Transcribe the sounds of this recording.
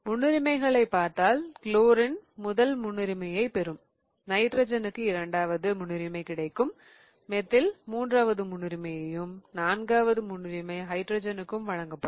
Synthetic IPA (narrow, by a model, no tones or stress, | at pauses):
mʊɳːɪɾɪmɐɪɣɐɭɐɪpːaːɾt̪aːlkɪloːɾɪnmʊðɐlmʊɳːɪɾɪmɐjɐɪpɛɾɯm | nɐɪʈɾɐd͡ʒɐnɯkːɯɪɾɐɳɖaːʋɐðɯmʊɳɪɾɪmɐɪkɪɽɐɪkːɯmː | ɛt̪ːɪlmuːndraːʋɐðɯmʊɳːɪɾɪmɐjɐjɯmnaːnɡaːʋɐðɯmʊɳːɯɾɪmɐɪɦɐɪʈɾoːd͡ʒɐnɯkːɯmʋɐɻɐŋɡɐpːɐ